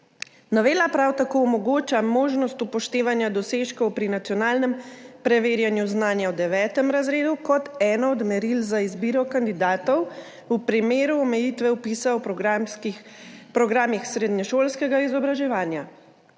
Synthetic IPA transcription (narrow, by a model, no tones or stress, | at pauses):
nɔʋeːlapɾawt̪akoːɔmɔɡoːt͡ʃamoːʒnɔst̪upɔʃt̪eːʋanjad̪ɔseːʃkɔwpɾinat̪jɔnaːlnɛmpɾɛʋeːɾjanjuznaːnjawd̪ɛʋɛːt̪ɛmɾazɾeːd̪ukɔt̪ɛːnɔɔd̪mɛɾilzaizbiːɾɔkand̪id̪aːt̪ɔw | upɾimeːɾuɔmɛjit̪ʋɛwpiːsawp | pɾɔɡɾaːmixsɾeːd̪nɲɛʃoːlskɛɡaizɔbɾaʒɛʋaːnja